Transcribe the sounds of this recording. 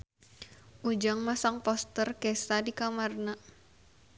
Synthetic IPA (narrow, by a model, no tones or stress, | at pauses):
ʔud͡ʒaŋmasaŋpɔst̪ərkɛsadikamarna